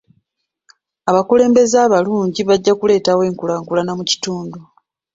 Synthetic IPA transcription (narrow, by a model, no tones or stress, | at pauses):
aβakule̞ːmbe̞zaːβaluːɲɟiβaɟːakule̞ːtawe̞ːŋkulaŋkulanamuci̥tuːndu